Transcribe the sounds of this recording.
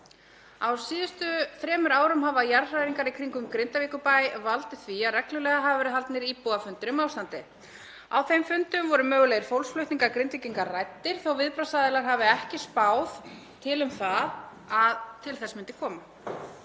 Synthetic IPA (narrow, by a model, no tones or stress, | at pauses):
awsiːðʏst̪ʏθɾɛːmʏɾaːwɾʏmhavajaɾrajɾiŋkaɾikʰɾiŋkʏmkɾɪnt̪aviːkʏpajvalt̪ɪθviaðrɛklʏlɛːɣaɦavvɛɾʏɦalt̪nɪɾipɔːðafʏnt̪ɪɾʏmaːwst̪ant̪ɪ | awθejmfʏnt̪ʏmvɔɾʏmœːɣʏlɛɣɾ̥fowlsflʏht̪niŋkaɾkɾɪnt̪viciŋkaɾrajt̪ːɪɾ̥θowvɪðpɾawsaðɪlaɾ̥ɦavɪɛhcɪspaːwð | t̪ʰɪlʏmθað | aðt̪ʰɪlθɛsmʏnt̪ɪ̥kʰɔːma